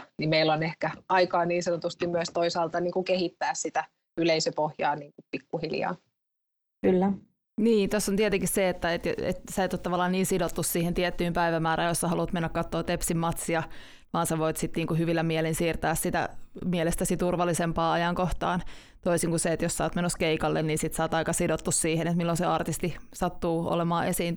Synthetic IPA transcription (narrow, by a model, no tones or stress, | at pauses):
nimeilonehkæɑikɑːniːnsɑnot̪ust̪immyøst̪oisɑːlt̪ɑniːŋkukehit̪ːæːssit̪æ | yleisøpohjɑ̰ːniːŋkupikːuhiljɑ̰ː | kylːæ | niːnt̪osːont̪iɛt̪eŋkisseet̪ːæet̪jḛt̪sæit̪ːot̪ːɑʋɑlːɑnniːnsidot̪ːussiːhent̪iɛt̪ːyːmpæiʋæmæːɾɑːjosɑhɑlut̪menːækkɑt̪ːoːt̪epsimmːɑt̪siɑ | ʋɑːnsɑʋoit̪sit̪niːŋkuhyʋilːæmiɛlensiːrt̪æːssit̪æ̰miɛlest̪æsit̪urʋɑlːisempɑːɑjɑŋkoht̪ɑːn | t̪oisiŋkuseet̪jossɑːt̪menoskeikɑlːenniːnsit̪sɑːt̪ɑikɑsidot̪ːussiːhenet̪milːonseɑrt̪ist̪isɑt̪ːuːo̰lemɑːʔesiːn